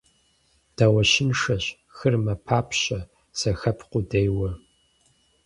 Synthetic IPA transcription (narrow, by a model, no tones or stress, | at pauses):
d̥aːwɐʃɪnʂɐɕ | xɨrmɐpʰaːpʰɕʼɐ | sɐxɐpʰqʷʊdejwɐ